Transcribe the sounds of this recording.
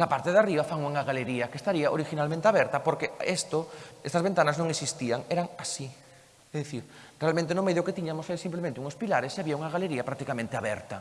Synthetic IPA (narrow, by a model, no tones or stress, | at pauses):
lapaɾt̪eðariβafaŋuŋaɣaleɾiakest̪aɾiaʔoɾixinalmẽnt̪eaβɛɾt̪ɐpoɾkeest̪oest̪azβent̪anaznõŋesist̪iaŋeɾaŋasi | eðeθiɾ | realmẽnt̪̬enomeðjoket̪iɲamosesimplemẽnt̪ɪuŋospilaɾesiaβiauŋaɣ̞aleɾiapɾak̚t̪ikamẽnt̪eaβɛ̰ɾt̪ɐ